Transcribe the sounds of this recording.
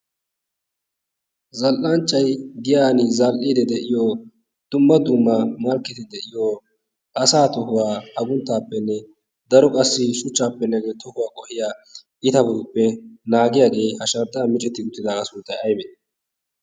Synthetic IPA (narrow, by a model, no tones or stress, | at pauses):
zɐlʔant͡ʃʼːɐjɡ̪ɪjaːnɪzalʔiːd̪ɛd̪ɛʔɪjoː | d̪̥ʊmːɐd̪ʊmːɐmɐlkːɪt̪ɪd̪ɛʔɪjo | ʔɐsaːt̪ɔhʊwaːɐɡʊnt̪ːaːpːɛnːɛ | d̪ɐɾɔkʼɐsːɪʃʊt͡ʃːaːpːɛnːɛɡeːt̪ʰɔhʊwaːkʼɔhɪjaːʔɪt̪ɐbɔd̪ʊpːɛnaːɡɪjaːɡe̞ːhɐʃɐɾt̪ʼːaːmɪt͡ʃʼɛt̪ːɪɡʊt̪ːɪd̪aːkɐsuːt̪ːɐjɐjbɛd̪